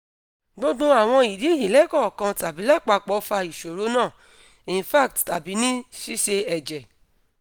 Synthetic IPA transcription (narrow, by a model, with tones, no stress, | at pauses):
do˦dũ˦a˨w̃ɔ̃˧i˨di˨˦˨ji˨lɛ˨˦kɔ˦˨kã˧ta˨bi˨˦la˦˨k͡pa˧k͡pɔ˨˦fa˧i˨ʃo˨ɾo˨˦nãː˦˨ | ĩ˨fa˦˨k̚tta˨bi˨˦nĩ˦ʃi˦ʃe˧ɛ˨d͡ʒɛ˨